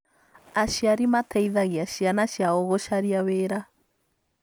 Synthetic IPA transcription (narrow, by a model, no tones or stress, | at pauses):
aʃiaɾimatʰɛiðaɣiaʃianaʃjaɔɣɔʃaɾiaweɾa